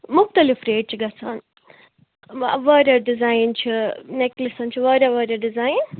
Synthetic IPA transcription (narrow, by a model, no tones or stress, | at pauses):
muk̚t̪ɐlifɾeːʈ̚t͡ʃiɡɐt͡sʰaːn | ʋɐːɾʲɐɖizajnt͡ʃʰineklisɐnt͡ʃʰiʋɐːɾʲɐʋɐːɾʲɐɖizaːjin